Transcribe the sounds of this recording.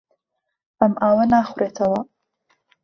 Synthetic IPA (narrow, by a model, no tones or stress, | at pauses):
ʔɐmʔaːwɐnaːxʊɾeːt̪ʰɐwɐ